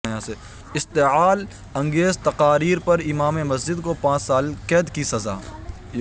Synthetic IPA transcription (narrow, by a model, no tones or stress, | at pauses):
jãse | ɪst̪eɦaːl | ɐ̃ŋɡeːzt̪ɐqaːɾiːɾpɐɾɪmaːmemɐs̬d͡ʒɪd̪kopãːt͡ʃsaːlkɛːd̪kisɐza̰ː